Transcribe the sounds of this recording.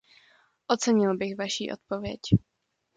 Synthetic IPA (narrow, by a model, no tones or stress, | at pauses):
ʔot͡sɛɲɪlbɪxvaʃiːʔo̞̰t̪̚po̞vjɛc